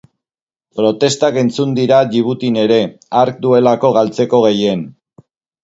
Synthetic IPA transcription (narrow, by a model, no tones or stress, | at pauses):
pɾo̞t̪e̞st̪ake̞nt͡sund̪iɾaʎiβut̪ine̞ɾe̞aɾk̚d̪ue̞lako̞ɣ̞alt͡se̞ko̞ɣ̞e̞je̞n